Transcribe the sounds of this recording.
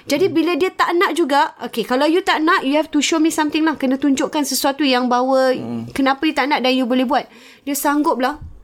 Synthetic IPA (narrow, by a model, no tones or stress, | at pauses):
d͡ʒadibilədiət̪aʔnaʔ̚d͡ʒuɡaʔokekalawjut̪aʔnaʔjuat̪uʃɔmnĩsamt̪ɪŋlahkənãt̪uɲd͡ʒʊʔkansəsuat̪ujaŋbawəkənãpajut̪aʔnãʔdanjubolɛbuat̪̚ | diəsaŋɡʊp̚lah